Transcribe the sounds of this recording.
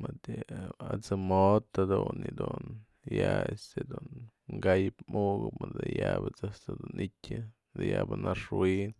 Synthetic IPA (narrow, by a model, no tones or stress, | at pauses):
mad̪ɨat͡sɨmot̪ad̪unːid̪un | jaest̪ed̪unŋɡajpmuɡɨpmad̪ɨjabɨt͡sɨst̪ɨd̪unitʲɨ | d̪ɨjabɨnaʂwin